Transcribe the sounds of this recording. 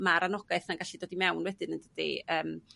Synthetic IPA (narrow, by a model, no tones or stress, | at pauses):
maɾanɔɡ̥ajθnaɡaʃidoːdimɛwnwɛdɨnənd̥ədḭəːm